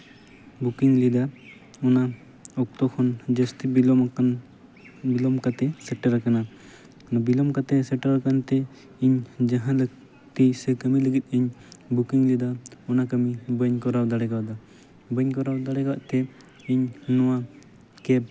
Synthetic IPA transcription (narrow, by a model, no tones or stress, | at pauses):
bukiŋlid̪a | ɔna | ɔk̚t̪ɔkʰɔnd͡ʒəst̪ibilɔm | bilɔmkat̪ɛsɛʈəɾakana | bilɔmkat̪ɛsɛʈəɾakant̪ɛ | iɲd͡ʒaɦãlək̚ | t̪isəkəmiləɡit̪̚ˀiɲbukiŋlid̪aɔnakəmibəɲkɔɾawd̪aɽɛɡawad̪ɔ | bəɲkɔɾawd̪aɽɛɡa̰ʔt̪ɛ | iɲnɔwa | kɛb̚